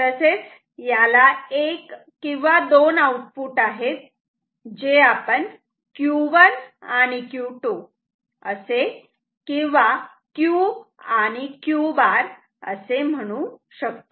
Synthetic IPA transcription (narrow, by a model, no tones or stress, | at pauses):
t̪əset͡s | jalaek | kːĩʋad̪onauʈ̚puːʈaɦet̪̚ | d͡ʑeapəɳ | kjuʋənañikjuʈo | əse | kĩʋa | kjuañikjubaɾ | ə̰sem̤əɽ̃uɕəkt̪o